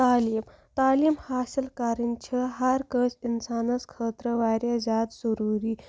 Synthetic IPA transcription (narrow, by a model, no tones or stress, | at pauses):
t̪aːliːm | t̪aːliːmhaːsilkaɾənt͡ɕʰəɦaɾkəsinsaːnəskʰəːt̪ɾəʋaɾjazad̪zəɾuːɾiː